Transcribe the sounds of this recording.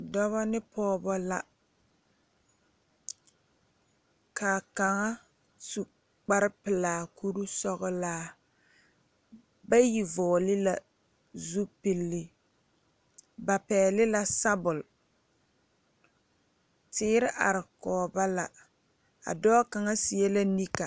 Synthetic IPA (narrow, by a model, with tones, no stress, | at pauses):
dɔ˦βa˦nɪ˦pʰɔː˦bɔ˦la˨ | kʰaː˨ka˨ŋa˦ | su˨ | k͡pa˦ɾɪ˦pɪ˨laː˨ku˦ɾu˦sɔ˦ɣɔ˦laː˦ | ba˦ji˨vɔː˨lɪ˦la˨ | zu˦pɪ˨lːɪ˨ | ba˨pɛː˨lɪ˦la˦sa˦bʊ˨l | tɪː˦ɾɪ˦ʔa̰˨ɾɪ˨kɔː˨ba˦la˨ | a̰˨dɔː˦ka˨ŋa˦sɪ˨ɛ˦la˦ni˦ka˨